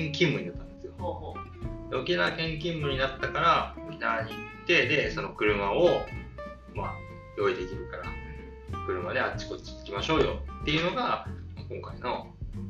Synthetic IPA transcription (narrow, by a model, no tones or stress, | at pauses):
ŋkʲĩmbɯ̟ɲ̟inat̪ːãnd̪e̞sɨjo | d̪eokʲinakẽ̞ŋkʲĩmːɯ̟ɲ̟inat̪ːakaɾaokʲinaːɲit̪ːe̞d̪e̞so̞no̞kɯ̟ɾɯ̟mao | ma̰ | jo̞id̪e̞kʲiɾɯ̟kaɾa̰ | kɯ̟ɾɯ̟mad̪e̞at͡ɕi̥ko̞t͡ɕi̥t̪e̥kʲimaɕo̞ːjo̞̰t̪ːe̞jɯ̟no̞ɡamakõ̞ŋkaino̞